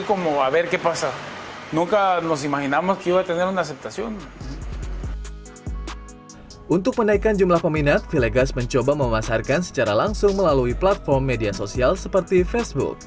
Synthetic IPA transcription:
komoaβɛrkepasa | nuŋkanɔs̬imaɦinamokiwat̪ənɛɾunasɛp̚t̪asiɔn | ʔunt̪ʊk̚mənaikand͡ʒumlahpəminat̪̚fileɡasməɲt͡ʃobaməmasarkansə̥t͡ʃaɾalaŋsʊŋməlaluiplat̪̚fɔrmːediasosialsəpərt̪ifesbṵk̚

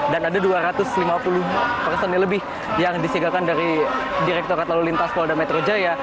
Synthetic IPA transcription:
danadaduaɾat̪ʊslimapulʊhpərsɛnːɪləbɪh | jaŋdisiɡakandaɾidiɾɛk̚t̪ɔrkat̪alulint̪aspɔldanmet̪ɾod͡ʒaja

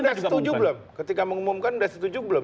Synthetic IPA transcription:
dast̪ud͡ʒʊbələmkət̪ikaməŋumumkandasət̪ud͡ʒʊbələ

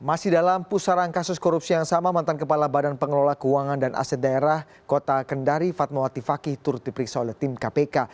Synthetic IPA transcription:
masɪhdalampusaɾankasʊskɔɾup̚sijaŋsamamant̪ankəpalabadanpəŋəlolahkəuaŋandanʔa̰sɛt̪̚daeɾah | kot̪akəndaɾifat̪̚mawat̪ifakiht̪ʊɾt̪dipəɾiksaolɛht̪imkapeka

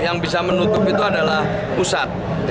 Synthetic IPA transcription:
jaŋbis̬amənut̪ʊpit̪uadalah | pusat̪̚ | d͡ʒ

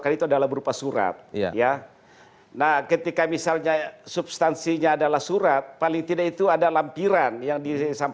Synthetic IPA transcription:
kanit̪uadalahbəɾupasuɾa̰t̪̚ja | nahkət̪ikamisalɲasubst̪ansiɲaːdalahsuɾat̪̚palɪŋt̪idakit̪uadalampiɾanjaŋdisam

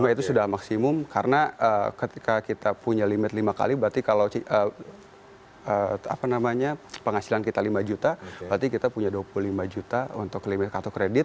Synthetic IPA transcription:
mait̪usudahmaksimʊmkʰaɾənaʔəkət̪ikakit̪apuɲalimɪt̪limaka̰libəɾart̪ikalawt͡ʃiə | əa̰panamaɲapəŋasilankit̪alimad͡ʒut̪abəɾart̪ikit̪apuɲaduapuluhlimad͡ʒut̪aṵnt̪ʊklimɪt̪̚kat̪okɾedɪt̪̚

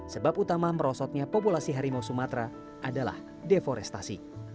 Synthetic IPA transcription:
səbaput̪amaməɾɔsɔt̪̚ɲapopulasiɦaɾimowsumat̪ɾa | ʔadala̰h | defɔɾɛst̪asḭ

